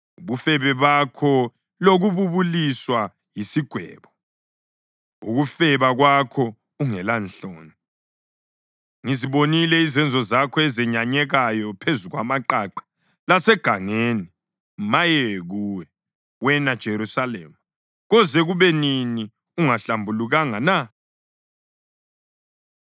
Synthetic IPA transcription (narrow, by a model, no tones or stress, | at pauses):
uβufɛβɛβakʰɔ | loɣuβuβuliswa | jisiɡ̥ʱwɛ̰ːβɔ | ṵɣufɛβaɣwakʰɔ | uŋɛlanɬoːni | ŋiziβonilɛizɛnd͡zʱɔzakʰɔɛzɛɲaɲɛɣajɔpʰezuɣwamaǃaǃḁ | lasɛɡ̥ʱaŋeːni | majɛɣuːwɛ | wɛnad̥ʒ̥ʱeɾusalḛːma | ɣɔzɛɣuβɛnini | uŋaɬambʱuluɣaŋana